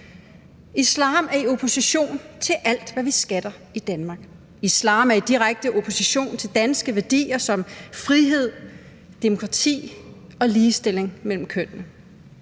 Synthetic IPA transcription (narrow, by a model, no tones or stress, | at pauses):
islɑ̰̈ːmæɐio̝pʰo̝siɕo̝̰ːnt͡sʰe̝lʔæl̰d̥ʋæʋisɡ̥æd̥ɐ | id̥ænmɑ̈ːɡ̥ | islɑ̰̈ːmæɐid̥iʁaɡ̥̚d̥əʔo̝pʰo̝siɕo̝̰ːnt͡sʰe̝ld̥ænsɡ̥əʋæɐd̥ḭːɐsɒ̽mfʁiɦe̝ð̰ˠ | d̥e̝mo̝kʰʁɑ̈t͡sʰḭː | ɒ̽liːsd̥e̝le̝ŋmel̰m̩kʰøn̰nə